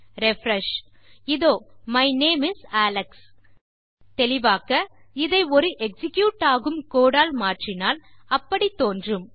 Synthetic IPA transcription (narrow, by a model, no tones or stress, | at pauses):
ɾɛfɾɐʂ | ɪðoːmɐɪneːmɪsæːlɐks | t̪ɛlɪʋaːkɐɪðɐɪɔɾɯʔɛksɪkjuːʈːaːɣɯmkoːɽaːlmaːʈrɪnaːlɐpːɐɽit̪ːoːndrɯm